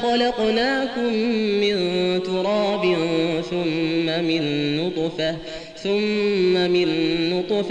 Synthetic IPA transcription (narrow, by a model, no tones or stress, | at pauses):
xɑlɑqnaːkʊmːɪnt̪ʊɾˤɑːbɪnθʊmːamɪnːʊt̪ˤfa | θʊmːamɪnːʊt̪ˤf